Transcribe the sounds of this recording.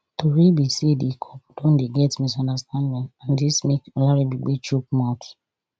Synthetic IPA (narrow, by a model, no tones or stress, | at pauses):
toɾibisiedekʰɔpu̥tõn̩deɡɛtmĩsɔ̃ndastʰãndĩnãndismeklaɾibiɡ͡bet͡ʃuk̚mãt